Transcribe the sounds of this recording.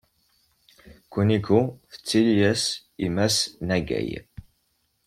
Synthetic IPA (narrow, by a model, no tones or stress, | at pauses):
kʷənikuθə̥t͡sːiljæs | imæsnæɡæ̰j